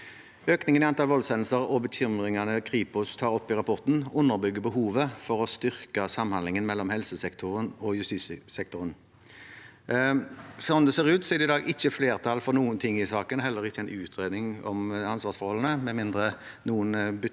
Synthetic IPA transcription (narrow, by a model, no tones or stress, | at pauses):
øːknɪŋənɪɑnt̪ʰɑlʋɔlsɛnl̩səʁɔbəçʏmʁɪŋɑnəkʰʁiːpʊst̪ʰɑːʁɔpːɪʁɑpʰɔʁt̪n̩ʊnːəʁbʏɡːəbəɦuːʋəfɔʁɔst̪ʏʁkəsɑmːhɑnlɪŋənmɛlːɔmhɛlsəsɛkt̪ʰʊʁənɔjʉst̪iːssɛk̚t̪ʊʁən | sɔnd̪ɛseːʁʉːt̪sɛːd̪ɪd̪ɑːɡʔɪçːəfleːʁt̪ʰɑlfɔʁnuːənt̪ʰɪŋːɪsɑːkənɦɛlːəʁɪçːəæɪnʉːt̪ʰʁeːd̪nɪŋɔ̰mɑnsʋɑːʁsfɔʁhɔlən̩əmɛmɪnd̪ʁə | nuːənb